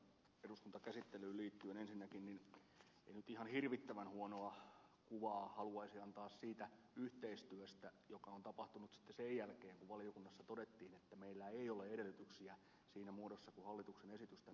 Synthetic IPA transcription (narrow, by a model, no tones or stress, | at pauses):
eɾuskunt̪ɑkæsit̪ːelyːliːt̪ːyønensinːækinnin | ḛinyt̪ihɑnhirʋit̪ːæʋænhuonoɑkuʋɑːhɑluɑisiɑnt̪ɑːssiːt̪æ | yht̪eist̪yøst̪æjokɑont̪ɑpɑht̪unut̪si̥t̪ːesejjælkeːŋkuʋʋɑliokunːɑsːɑt̪odet̪ːiːnet̪ːæmeilːæeioleedelːyt̪yksiæ | siːnæmuodosːɑkuhɑlːit̪uksenesit̪yst̪æ